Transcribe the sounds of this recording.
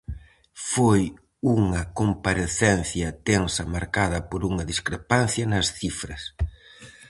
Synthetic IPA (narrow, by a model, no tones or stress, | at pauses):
foj | uŋɐkompaɾeθɛnθjɐt̪ensɐmaɾkaðɐpoɾuŋɐðiskɾepanθjɐnɐsθifɾɐs